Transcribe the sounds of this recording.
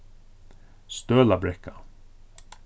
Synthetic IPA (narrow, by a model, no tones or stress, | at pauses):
st̪øːlabɾɛkːa